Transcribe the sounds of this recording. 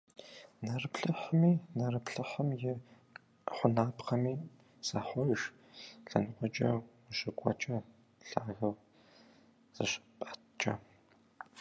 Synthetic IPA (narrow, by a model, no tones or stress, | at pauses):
nɐrɨpɬɨħəmiːnɐrɨpɬɨħəmjɪ | χʷʊnaːpqɐmiː | z̥aːħʷɔʒ | ɬɐnɨqʷʼɔt͡ʃʼɐ | ɕɨkʷʼɔ̰t͡ʃʼɐ | ɬaːɣɐw | z̥ɨ̰ɕpʼḁtt͡ʃʼɐ̰